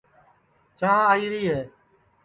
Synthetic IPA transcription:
t͡ʃãːaːiːɾiːɦeː

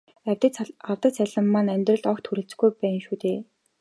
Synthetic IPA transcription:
æwʲt̪ə̆awt̪ə̆t̪sæɮə̆mːanæmʲt̪rɞ̆ɮt̪ɔkt̪xuɾɘ̆ɬt͡s̆ɡujpæːnʃuːt̪eː

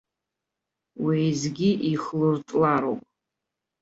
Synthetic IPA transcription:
wejzɡʲiʔiχlɨrtʼlaɾowpʼ

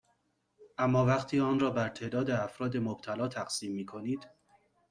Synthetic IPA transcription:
ʔæmːɒːvæqt̪ʰiːɒːnrɒːbæɾt̪ʰe̞ːd̪ɒːd̪eæfɾɒːd̪e̞mob̥̚t̪ʰælɒːt̪ʰæɡsiːmːiːkʰo̞niːd̪̥

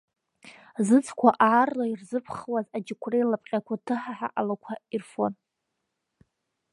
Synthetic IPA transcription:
zɨt͡sʰʼkʷʰaʔaːrlairzɨpʰχwazad͡ʒɪkʷʰrejlapʼqʲʼakʷʰatʰɨħaħa̰ʔalakʷʰairfo̞n

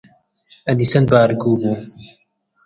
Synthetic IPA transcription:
ɐd̪isɐnbaːɾɡuːmuː

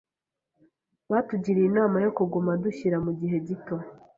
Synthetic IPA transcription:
βatuɟiɾinaːmajo̞kuɡumaduçiɾamuɟiɦe̞ɟito̞

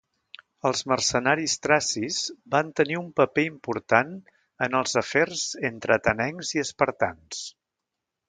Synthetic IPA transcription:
əlˠzmərsənaɾist̪ɾasizbant̪əniumpəpeimpuɾt̪an | ənəlˠzəfɛrzent̪ɾʔət̪ənɛŋziəspəɾt̪a̰ns

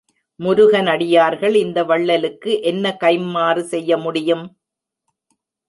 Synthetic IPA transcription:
mʊɾʊɣɐnɐɽɪjaːɾɣɐɭɪnd̪ɐʋɐɭːɐlɯkːɯʔɛnːɐkɐɪmːaːrɯsɛjːɐmʊɽɪjɯm

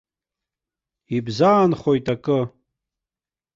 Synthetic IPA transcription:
ibzaːnχojtʼakʼɨ

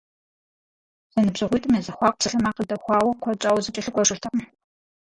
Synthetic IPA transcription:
z̥ɐnɨbzɨʁʷiːtʼɨmjezɐxʷɑːq̚ʷpsɨɬɐmaːqədɐxʷɑːwɐkʷʰɔt͡ʃʼaːwzɨt͡ʃʼɐɬɨkʷʼɔʂɨrtʰɐq

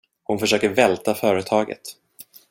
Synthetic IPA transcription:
hʊnfœʂøːkəɾvɛlt̪afœːɾət̪ʰɑːɡə̰t̪

